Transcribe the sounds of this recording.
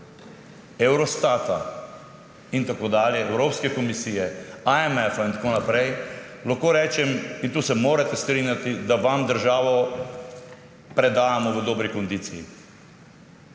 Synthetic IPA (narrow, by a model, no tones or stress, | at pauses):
ɛwɾɔst̪at̪a̰ | int̪akoːd̪aːljɛːwɾoːpskɛkɔmisiːjɛaɛmɛfaint̪akoːnapɾɛjlaxkoːɾɛːt͡ʃɛmint̪uːsɛmoːɾat̪ɛst̪ɾiːnjat̪id̪aʋamd̪əɾʒaːʋɔ | pɾɛd̪aːjamɔʋəd̪oːbɾikɔnd̪iːt̪sijḭ